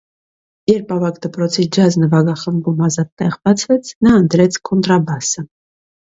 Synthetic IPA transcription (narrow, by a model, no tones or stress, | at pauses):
jɛɾpɑvɑkd̪əpɾɔt͡sʰid͡ʒɑznəvɑɡɑχəmbumɑzɑt̪ːɛʁbɑt͡sʰvɛt͡sʰnɑənt̪ɾɛt͡sʰkʰɔnt̪ɾɑbɑsə